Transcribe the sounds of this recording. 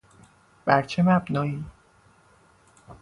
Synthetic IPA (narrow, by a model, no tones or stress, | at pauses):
b̥æɾt͡ʃʰemæbnɒːiː